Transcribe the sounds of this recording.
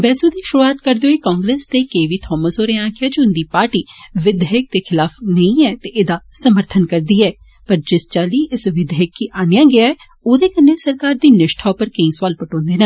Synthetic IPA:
bɛːsuːd̪iːʃʊɾuaːt̪kəɾd̪eoiːkaːŋɡɾeːst̪eːkeiʋiːt̪ʰɔːməsoːɾẽãːkʰɪjaːd͡ʒʊnd̪iːpaːɾʈiːʋɪd̪ʱjaːjək̚t̪eːkʰɪlaːfʰnəĩːɛːt̪eːʔɪd̪aːsəməɾt̪ʰənkəɾd̪iːɛː | pəɾd͡ʒɪst͡ʃaːliːɪsʋɪd̪jaːkːiːʔaːnɪjãːɡɪjaːɛː | oːd̪eːkənːeːsəɾkaːɾd̪iːnɪʃʈʰaːpəɾkəĩːswaːlpəʈɔ̃ːnd̪eːnaː

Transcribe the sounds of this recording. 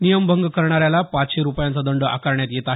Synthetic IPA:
nijəmbʱəŋɡkəɾɳaɾjalapat͡sɕeɾupjãnt͡sad̪əɳɖəʔa̰kaɾɳjat̪jet̪a

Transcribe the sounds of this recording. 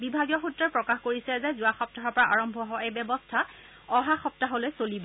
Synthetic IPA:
bibʱaɡijɔxutɹɔɹpɹɔkaxkoɹisɛzɛzʊaxɔp̚taɦɔɹpɔɹaʔaɹɔmbʱɔɦɔebɛbɔstʰa | ɔɦaxɔp̚taɦolojsolibɔ

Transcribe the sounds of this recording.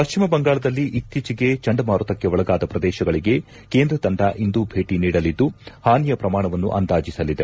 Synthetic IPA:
pɐʃt͡ʃimɐbɐŋɡaːɭɐd̪ɐlːiʔit̪ːit͡ʃiɡe̞t͡ʃɐɳɖɐmaːɾut̪ɐkːeʋɔɭɐɡaːd̪ɐpɾɐd̪ɛːʃɐɡɐɭiɡe̞ | ke̞ːnd̪ɾɐt̪ɐɳɖaʔind̪ubʱe̞ːʈiniːɽɐlid̪ːuhaːnijɐpɾɐmaːɳɐʋɐnːṵʔɐ̰nd̪aːd͡ʒisɐlːid̪e̞

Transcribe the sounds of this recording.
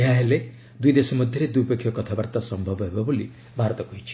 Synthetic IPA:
ɦaɦele | d̪ujd̪esɔmɔd̪ʱjʌɾed̪upekʰjɔkʌt̪ʰabaɾt̪asʌmbʱʌbɦebabuli | bʱaɾt̪ɔkoɦit͡ʃʰi̥

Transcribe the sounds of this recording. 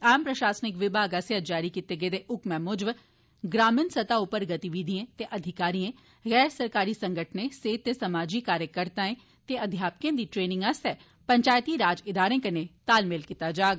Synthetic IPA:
aːmpɾɐʃaːsnɪkʋɪbʱaːɡɐsjad͡ʒaːɾikit̪eɡeːd̪eʔʊkmɛ̃mʊd͡ʒʋ | ɡɾaːmɪnsɐt̪aʊpəɾɡɐt̪iʋid̪ʱiẽt̪eʔɐd̪ʱɪkaːɾiẽ | ɣɛːɾsɐɾkaːɾisɐ̃ŋɡʱəʈʰnẽseːt̪esɐmaːd͡ʒikaːɾjəkəɾt̪ãẽ | t̪eɐd̪ʱjaːp̚kẽd̪iʈɾeːnɪ̃ŋɡɐsɛ | pɐ̃ɲt͡ʃaːjt̪iɾaːd͡ʒɪd̪aːɾẽkɐɾnet̪aːlmelkit̪ad͡ʒaːɡ

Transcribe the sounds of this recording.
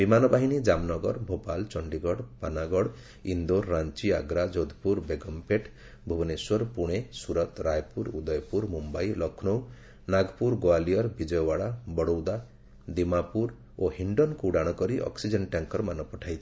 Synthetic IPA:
bimanɔbaɦinid͡ʒamnɔɡɔɾbʱopalt͡ʃɔɳɖiɡɔɽpanaɡɔɽ | ind̪oɾːant͡ʃia̰ɡɾad͡ʒɔd̪puɾbeɡɔmpeʈ | bʱubɔneswɔɾpuɽ̃esuɾɔt̪ɾajpuɾud̪ɔjpuɾmumbajlɔkʰnow | naɡpuɾɡoalijɔɾbid͡ʒɔjɔbaɽabɔɽowd̪a | d̪imapuɾ | ohiɳɖɔnkuːɽaɽ̃ɔkɔɾiʔɔ̰ksid͡ʒɔnʈjaŋkɔɾɔmanɔpɔʈʰajt͡ʃʰi̥

